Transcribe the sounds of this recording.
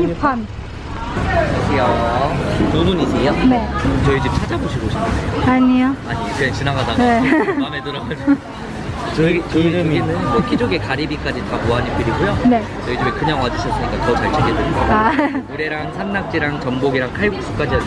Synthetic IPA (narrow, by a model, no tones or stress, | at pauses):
ipʰan | kʰaɕʰiʌ | nunuɲiɲijonet͡ɕʌed͡ʑim̚t͡ɕʰad͡ʑaboɕʰiɡoɕʰi̥pʰːɯejoaɲijoaɲit͡ɕʰent͡ɕinaɡadaɡaeamedɯɾɡad͡ʑo | t͡ɕɡinɯok͈id͡ʑoɡe̞kaɾibik͈ad͡ʑitamuaɲip͈iɾiɡujone̞ | t͡ɕʌed͡ʑibekɯɲaŋwad͡ʑiɕʰʌs͈ɯɲik͈atʌt͡ɕaɭt͡ɕʰeɡedweɭɡoauɾe̞ɾaŋsʰanːak̚t͡ɕ͈iɾaŋt͡ɕʌmboɡiɾaŋkʰajɡuk̚s͈u̥k͈ad͡ʑia